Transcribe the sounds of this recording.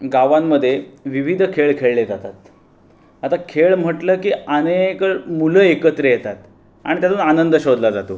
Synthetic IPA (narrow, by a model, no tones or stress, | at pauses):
ɡaʋamːəd̪ʱːjeʋiʋid̪ʱkʰeɭkʰeɭled͡zat̪at̪ | at̪akʰeɭm̤əʈləːkiːanekəɭmuləːekət̪ɾejet̪at̪ | a̰ɽ̃it̪jat͡s̪uːnanənd̪əɕod̪lad͡zat̪oː